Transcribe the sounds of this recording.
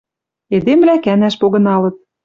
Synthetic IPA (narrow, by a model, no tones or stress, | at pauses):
ed̪emlækænæʃpoɣɤ̆nɑlɤ̆t̪̚